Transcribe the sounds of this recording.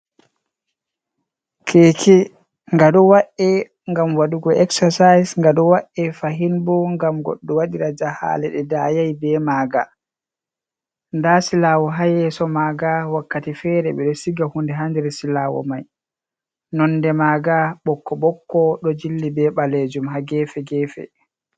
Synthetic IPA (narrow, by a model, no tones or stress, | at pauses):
kʰeːkʰi | ŋɡaɗɔwaʔɛ | ŋɡamwaduɡɔʔɛksasajsŋɡaɗɔwaʔɛfaɦinbɔŋɡamɡɔ̰ɗːɔwaɗiɾad͡ʒaha̰ːlɛɗɛdajajbɛmaːɡa | ndasilaːwɔɦajɛsɔmaːɡawakːatifɛɾɛɓɛɗɔsiɡahundɛɦandɛɾɛsilaːwɔ̰maj | nɔndɛmaːɡaɓɔkːɔɓɔkːɔɗɔd͡ʒilːibɛɓaled͡ʒumɦaɡɛːfɛɡɛfɛ̰